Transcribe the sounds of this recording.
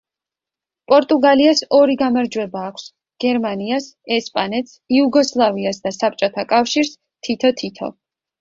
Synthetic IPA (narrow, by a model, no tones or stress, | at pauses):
pʼɔɾt̪ʼuɡaliasɔɾiɡamaɾd͡ʒwɛbaːkʷʰs | ɡ̥ɛɾmaniasɛspʼanɛt̪siuɡɔslˠaviasd̪asap̚ʼt͡ʃʼɔt̪ʰakʼafʃiɾs | t̪ʰit̪ʰɔt̪ʰit̪ʰɔ̰